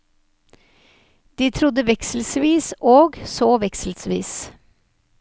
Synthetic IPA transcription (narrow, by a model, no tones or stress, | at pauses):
d̪̥iːt̪ʰɾʊd̪əʋɛksl̩sʋiːsoːɡsoːʋɛksl̩sʋḭːs